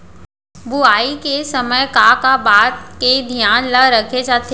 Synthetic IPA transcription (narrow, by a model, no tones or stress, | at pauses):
buaːikesəməjkakabaːt̪̚ked̪ʱijaːnlaɾɐkʰed͡ʒaːt̪e